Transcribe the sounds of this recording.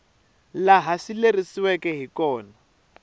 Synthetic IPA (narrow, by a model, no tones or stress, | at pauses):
laɦasilerisiwɛkɛɦikɔːna